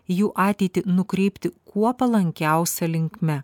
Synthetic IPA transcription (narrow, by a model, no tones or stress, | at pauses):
juːʔɑːt̪ʲeɪt̪ʲɪnʊkɾʲɛɪpʲt̪ʲɪkuɔpɐlˠɐŋʲkʲæˑʊsʲɛlʲɪŋʲkmʲɛ